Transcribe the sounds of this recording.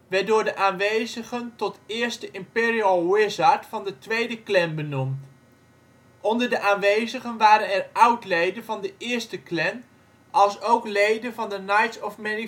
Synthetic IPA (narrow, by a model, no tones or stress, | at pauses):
ʋɛdʊːɹdəʔaːnʋejzəχəntɔtɪːɹstəʔɪmpɪːɹiəlˠwɪzɑɹtfɑndətʋejdəklɛnbənumt | ʔɔndəɹdəʔaːnʋejzəχənʋaːɾənɛɹʌwtlejdənvɑndəʔɪːɹstəklɛn | ʔɑlˠsowklejdənvɑndənajtsɔfmɛni